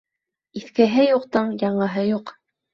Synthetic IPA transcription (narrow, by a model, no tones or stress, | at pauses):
iθkɘɦɘjuqt̪ɤɴjɑɴɤ̆ɦɤjuq